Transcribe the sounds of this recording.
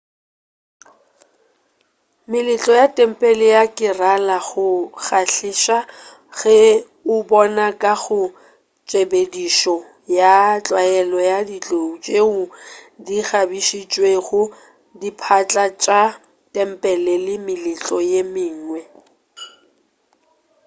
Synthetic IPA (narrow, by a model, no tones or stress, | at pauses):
mɪlɪt͡ɬʼɔjatʼɛm̩pʼɛlɪjakʼɪralaɣʊɣaɬɪʃa | ɣɛ | ʊbɔnakʼaɣʊ | t͡ʃʼebediʃɔ | jat͡ɬʼwaɛlɔjadit͡ɬʼout͡ʃʼeʊdiɣabiʃit͡ʃʼweɣʊ | dipʰat͡ɬʼat͡ʃʼa | tʼɛm̩pʼɛlɛlɪmɪlɪt͡ɬʼɔjemɪːŋŋwɛ